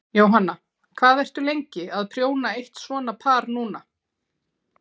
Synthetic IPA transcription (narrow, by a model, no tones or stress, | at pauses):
jaːwɦanːa | kʰvaːðɛr̥t̪ʏlejɲcɪaðpʰɾ̥joːwnaejht̪svɔːnapʰaːɾnuːna